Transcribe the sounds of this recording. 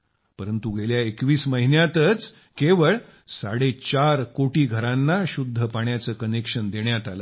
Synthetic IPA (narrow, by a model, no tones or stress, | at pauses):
pəɾənt̪uɡʱeljaekʋiːsməɦinjat̪ət͡s | keʋəɭ | saɽet͡ɕaɾkoʈiːɡʱəɾãnːaɕud̪ʱːəpaɳjat͡səːkənekʂənd̪eɳjat̪ala